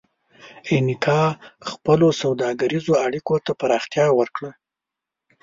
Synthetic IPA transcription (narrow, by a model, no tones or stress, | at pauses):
enɪk̪ʰɑxpəlosawd̪ɑɡaɾizoaɽikot̪apaɾɑxt̪jɑwəɾkɽə